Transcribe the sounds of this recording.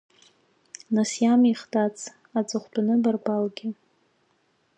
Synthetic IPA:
nasjamiχtat͡sʰ | at͡sʼɨχʷbʰanɨbarbalɡʲɪ

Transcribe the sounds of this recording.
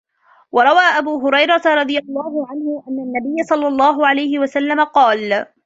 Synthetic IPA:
wɑɾˤɑwaːʔabuːɦʊɾɑjɾˤɑt̪aɾˤɑd̪ˤɨjɑlˤːɑːhʊʕanhʊʔanːanːabɪjːasˤɑlːɑlˤːɑːɦʊʕalajhɪwasalːamaqɑːl

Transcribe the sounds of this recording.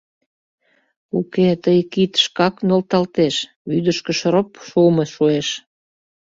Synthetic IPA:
uket̪əjkit̪ʃkɑknolt̪ɑlt̪eʃ | βyd̪əʃkə̆ʃɾopʃuməʃueʃ

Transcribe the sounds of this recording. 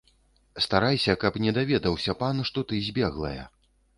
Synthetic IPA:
st̪aɾajsʲɐkɐpnʲɛd̪avʲɛd̪ɐwsʲɐpanʂt̪ɔt̪ɨzʲbʲɛɣlˠɐ̰jɐ̰

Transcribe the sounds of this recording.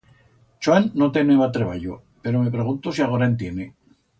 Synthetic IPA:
t͡ʃwanːot̪eneβat̪ɾeβaʎo̰ | pe̞ɾome̞pɾe̞ɣ̞unt̪osiaɣoɾaent̪je̞ne

